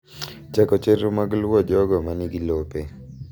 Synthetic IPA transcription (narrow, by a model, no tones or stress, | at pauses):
t͡ʃakɔt͡ʃeɾomaɡlwɔd͡ʒɔɡɔmanɪɡilope